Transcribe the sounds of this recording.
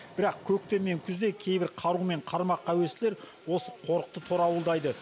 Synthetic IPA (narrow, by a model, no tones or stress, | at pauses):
b̥ɪɾɑqkʲʰɵk̚t̪e̞nme̞ŋkʲʰʏzd̪e̞kʲʰe̞jbɪɾqʰɑɾume̞ɴqʰɑɾmɑqːɑwe̞st̪ɪle̞ɾ | wo̞səqʰo̞ɾəq̚t̪ət̪ʰo̞ɾɑwəlˠd̪ɑjd̪ə